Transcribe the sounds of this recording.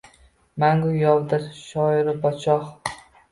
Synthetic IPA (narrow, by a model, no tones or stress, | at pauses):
maŋɡʊjɒlˠd̪ɪɾʃɒɪɾɪbɒt͡ʃʰɒχ